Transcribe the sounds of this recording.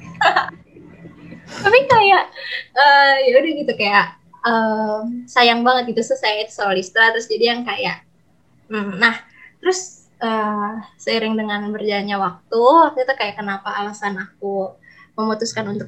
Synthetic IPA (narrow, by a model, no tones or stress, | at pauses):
apikajaʔəjaudahɡit̪ukajaʔ | əmsajaŋbaŋət̪̚ɡit̪usʊsajait̪u̥solist̪ɾat̪ɾʊsd͡ʒadijaŋkajaʔ | m̩nah | t̪əɾʊs | əsəiɾɪŋdəŋanbərd͡ʒaɲawak̚t̪uakit̪akajaʔkənapaːlasanak̚uməmut̪ʊskanunt̪ʊk̚